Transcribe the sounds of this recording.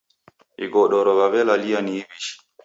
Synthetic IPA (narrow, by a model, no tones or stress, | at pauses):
ʔḭɡɔɗɔɾɔβaβɛlalijanibiʃi̥